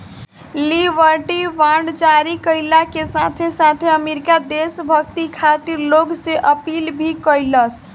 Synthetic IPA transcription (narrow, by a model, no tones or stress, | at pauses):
libʱəɾʈiʋaɖd͡ʒaɾikəɪlakesat̪ʰesat̪ʰeəmeɾikad̪esbʱəkt̪ikʰat̪iɾloɡseʔəpilbʱikəjləs